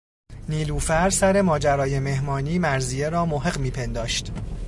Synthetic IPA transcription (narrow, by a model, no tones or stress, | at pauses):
niːluːfæɾsæɾe̞mɒːd͡ʒæɾɒːje̞me̞ɦmɒːniːmæɾzie̞ɾɒːmoɦe̞ɢmiːpʰe̞nd̪ɒːʃt̪